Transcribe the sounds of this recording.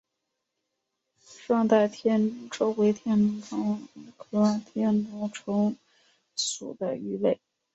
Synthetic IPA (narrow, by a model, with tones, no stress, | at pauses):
ʂɑ˥˧ŋt̪a˥˩ɪt̪ʰjɛ˥nnu˧˥ŋʈ͡ʂo˥ʊwe˧˥ɪt̪ʰjɛ˥nnʊ˧˥ŋʈ͡ʂʰɤ˧˥ŋ˧˥kʰɤ˧˥a˥nt̪ʰjɛ˥nnʊ˧˥ŋʈ͡ʂʰʊ˧˥ŋ | sṵ˨˩d̪ə˦y˧˥le˥˩ɪ